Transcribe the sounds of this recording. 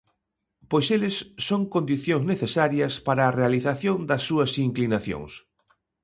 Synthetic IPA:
pojselɪsːoŋkond̪iθjõŋzneθesaɾjɐspaɾɐːrealiθaθjond̪ɐsːuɐsiŋklinaθjo̰ŋs

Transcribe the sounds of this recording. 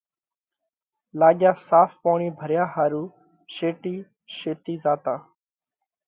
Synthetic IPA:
laːɠjaːsaːfpoːɳiːbʱəɾjaːhaːɾuː | ʃeːʈiː | ʃeːt̪iːzaːt̪aː

